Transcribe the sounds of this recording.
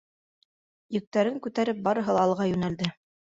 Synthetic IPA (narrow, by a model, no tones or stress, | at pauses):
jɘ̆k̚t̪æɾɘŋkʉt̪æɾɘp̚bɑɾɤ̆ɦɤ̆lˠɑːlˠʁɑjʉnæld̪ɘ